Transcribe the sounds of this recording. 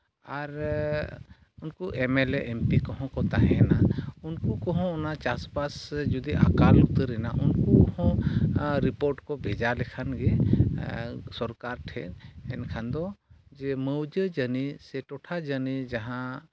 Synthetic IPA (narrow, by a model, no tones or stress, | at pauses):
aɾ | unkuʔemɛleʔɛmpikɔɦɔ̃kɔt̪aɦɛnaunkukɔɦɔ̃unat͡ʃaspasɛd͡ʒud̪iʔa̰kalut̪əɾɛna̰ʔunkuhɔ̃ɾipoɾʈkɔbʱed͡ʒalɛkʰanɡe | sɔɾkaɾʈʰɛ̰ɛnkʰand̪ɔd͡ʒeməwd͡ʒəd͡ʒənisɛʈɔʈʰad͡ʒənid͡ʒaɦã